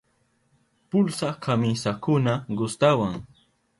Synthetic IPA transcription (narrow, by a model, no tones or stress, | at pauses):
pʊlsakʰamisakʊnaɢʊst̪awaŋ